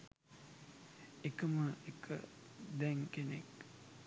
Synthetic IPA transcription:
ekəməekʰə̰ | d̪ɛŋkenek

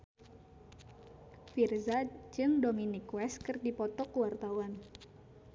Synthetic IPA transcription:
firzad͡ʒɨŋdominikwɛskɨrdipɔt̪ɔkuwart̪awan

